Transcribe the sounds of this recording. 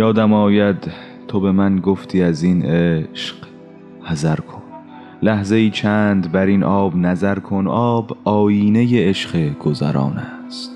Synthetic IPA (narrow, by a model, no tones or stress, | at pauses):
jɒːd̪æmɒːjæd̪ | t̪ʰobe̞mænɡoft̪ʰiːæzinʔeʃq | hæzæɾkʰon | læhze̞iːt͡ʃʰæːnd̪bæɾinʔɒːbnæzæɾkʰo̞nʔɒːbɒːjiːnejeeʃɢeɡ̥ozæ̰ɾɒ̰ːnæ | st̪